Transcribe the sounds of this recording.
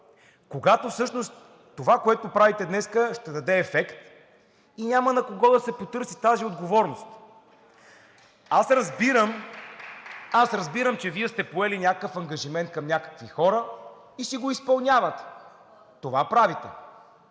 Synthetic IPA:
koɡat̪ofsɤʃnost̪ː | ovakoɛt̪opɾavit̪ɛd̪nɛskəʃt̪ɛd̪ɐd̪ɛːfɛkt̪ | inʲamənɐkoɡɔd̪ɐsɛpot̪ɤɾsit̪aziod̪ɡovɔɾnost̪ | asɾɐzbiɾəm | asɾɐzbiɾəmt͡ʃɛviɛst̪ɛpoɛlinʲakəfɐŋɡɐʒimɛnt̪̚kɐmnʲakə̥kvixɔɾə | iʃt̪ɛɡoispɐlˠnʲavət̪ː | ovapɾavit̪ɛ̰

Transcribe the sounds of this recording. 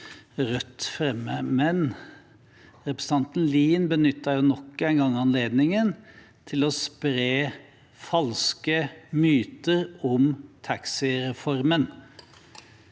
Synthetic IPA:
ɾœt̪ːfɾɛmːəmɛn | ɾɛpɾəsə̥n̩ʰɑnt̪nliːnbənʏt̪ːɑjʊnɔkːɛɪnɡɑŋːɑnleːd̪nɪŋən | t̪ʰɪlɔspɾeː | fɑlskəmyːt̪əɾɔmt̪ʰɑksɪɾɛfɔɾmən

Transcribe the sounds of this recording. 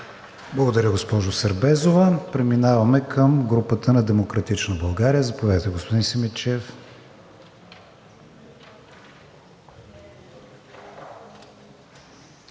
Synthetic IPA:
blˠɐɡod̪ɐɾəɡospɔʒosɐɾbɛzovəpɾɛminavɐmɛkʰəmɡɾupət̪ənɐd̪ɛmokɾɐt̪it͡ʃnəbɐlˠɡaɾijəzɐpovʲad̪ət̪ɛɡospod̪insɛmit͡ʃɛf

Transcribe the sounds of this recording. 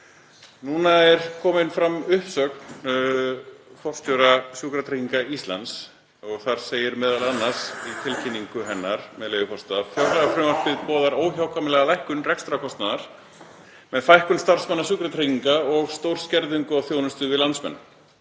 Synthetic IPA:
nuːnaɛɾ̥kʰɔːmɪnfɾamʏhpsœkn | fɔr̥st̪owɾasjʏːkɾat̪ʰɾejciŋkaist̪la̰ns | ɔɣθaɾ̥seːjɪɾmɛːðalanːḁsit̪ʰɪlcʰɪnːiŋkʏɦɛnːaɾ̥mɛðleːjɣʏfɔr̥st̪aðafjawɾlɛɣafɾʏmar̥pɪðpɔːðaɾoːwçawkʰamɪlɛɣalajhkʏnrɛkst̪ɾakʰɔst̪naðaɾ̥ | mɛðfajhkʏnst̪ar̥smanːasʏːkɾat̪ʰɾeciŋkaɔɣst̪owɾ̥scɛɾðʏŋkʏawθjownʏst̪ʏvɪðlansmɛ̰nː

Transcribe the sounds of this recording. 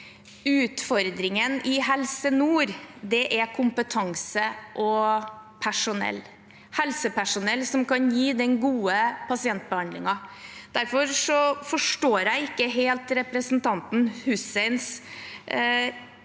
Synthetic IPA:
ʉːt̪fɔɾd̪ɾɪŋənɪɦɛlsənuːɾd̪ɛʔækʰʊmpət̪ʰɑŋsəʔɔpʰæʂʊnɛ̰lː | hɛlsəpʰæʂʊnɛlːsɔmkɑnjiːd̪ɛnɡuːəpʰɑsɪɛnt̪̚bəhɑnd̪lɪŋɑd̪̥æɾfɔɾʂɔfɔʂʈoːɾæɪɪkːəɦeːlt̪ɾɛpɾəsnt̪ʰɑnt̪n̩hʉsɛɪns

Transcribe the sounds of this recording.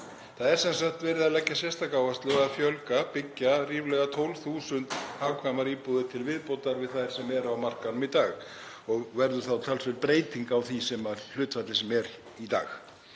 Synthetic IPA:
θaðɛɾsɛnsaxt̪vɛːɾɪðalɛcːasjɛst̪akaːwvast̪lʏɣaðfjœlkapɪcːariːvlɛɣat̪ʰowlvθuːsʏnt̪haːwkʰvajmaɾiːpuðɪt̪ʰɪlvɪðpowt̪aɾvɪðθajɾ̥sɛmɛɾawmar̥kanʏmit̪aːɣ | ɔɣvɛɾðʏ̥θawt̪ʰalsvɛɾpɾeːjt̪iŋkawθisɛmaɾl̥ʏːt̪fat̪lɪsɛmɛɾ | it̪a̰ːx

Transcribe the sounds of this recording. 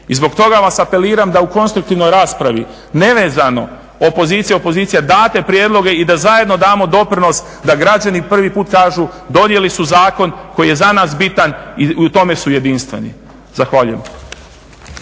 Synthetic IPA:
izbo̞kt̪o̞ɡaʋasape̞liːɾamd̪auko̞nst̪ɾuk̚t̪iʋno̞jɾaːspɾaʋḭ | ne̞ʋe̞ːzano̞ | opo̞zit̪sijeo̞po̞ziːt̪sijad̪aːt̪e̞pɾjeːd̪lˠo̞ɡe̞id̪azajed̪no̞d̪aːmo̞d̪o̞pɾino̞s | d̪aɡɾad͡ʒanipr̩ʋipuːt̪kaːʒud̪o̞nje̞lisuzaːko̞nko̞jijezanaːsbit̪aniut̪o̞mesuje̞d̪inst̪ʋe̞̰nḭ | zaxʋaːʎṵjḛm

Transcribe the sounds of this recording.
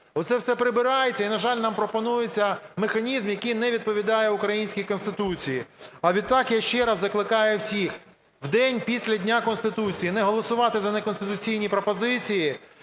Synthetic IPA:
ɔt̪sɛwsɛpɾɪbɪɾɑjet͡sʲɐinɐʒɑlʲnɑmpɾɔpɔnujet͡sʲːɐmexɐnʲizmjɐkijnɛʋʲid̪̚pɔʋʲid̪ɑjɛʊkɾɐjinʲsʲkʲikɔnst̪ɪt̪ut͡sʲijiɐʋʲid̪̚t̪ɑkjaʃt͡ʃɛɾɐzːɐklˠɪkɑjɛwsʲix | wd̪ɛnʲpʲisʲlʲɐdʲnʲakɔnst̪ɪt̪ut͡sʲijinɛɦɔlˠɔsʊʋɑt̪ɪzɐnekɔnst̪ɪt̪ʊt͡sʲijnʲipɾɔpɔzɪt͡sʲiji

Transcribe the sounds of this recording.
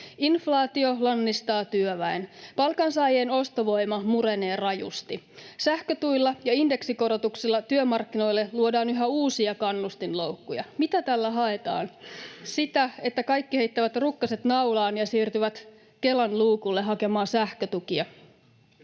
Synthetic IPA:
inflɑːt̪io̞lɑnːist̪ɑːt̪yøʋæinpɑlkɑnsɑjeːno̞st̪oʋo̞imɑmuɾe̞neːrɑjṵst̪i | sæhkøt̪uilːɑjɑinde̞ksiko̞ɾot̪uksilːɑt̪yømɑrkːino̞ilːeluodɑːnyɦɑuːsiɑkɑnːust̪inlo̞wkːujɑ̰mit̪æt̪ælːæɦɑe̞t̪ɑ̰ːnsit̪æe̞t̪ːækɑjkːihe̞ijt̪ːæʋæt̪rukːɑset̪nɑwlɑːnjɑsiːrt̪yʋæt̪ | ke̞lɑnluːkulːeɦɑke̞mɑːsæhkøt̪ukiɑ

